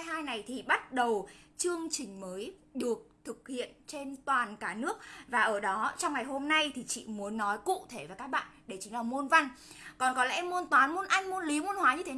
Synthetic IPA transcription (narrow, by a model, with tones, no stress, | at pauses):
ɦaː˧jna˨˩jt̪ʰi˨˩ɓa˦˥t̚ɗə˨˩wt͡ɕɨ˧əŋt͡ɕï˨˩ŋ̟məː˨˦jɗɨ˨˩ək̚t̪ʰɨ˨˩k̚hḭ˧˨ənt͡ɕe˧nt̪waː˨˩nkaː˧˩nɨ˦˥ək̚vaː˨˩ʔəː˧˩ɗɔ˨˦t͡ɕɔ˧wŋ͡mŋa˨˩jho˧mna˧jt̪ʰi˨˩t͡ɕḭ˧˨mu˨˦ənːɔ˨˦jkṵ˧˨t̪ʰe˧˩vaː˨˩kaː˦˥k̚ɓa̰ː˧˨nɗe˧˩t͡ɕï˦ŋlaː˨˩mo˧nva˧jŋ | kɔ˨˩nkɔ˨˦lɛ̰˧ʔɛ˧mːo˧nt̪waː˨˦nmo˧nʔa˧jŋ̟mo˧nli˨˦mo˧nhwaː˨˦ɲɨ˧t̪ʰe˨˦˨